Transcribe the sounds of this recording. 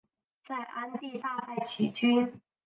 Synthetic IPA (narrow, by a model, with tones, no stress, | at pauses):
t͡sa˥˩ɪʔa˥nt̪i˥˧t̪a˥˧ta˥˩ɪt͡ɕʰi˨˩t͡ɕy˥n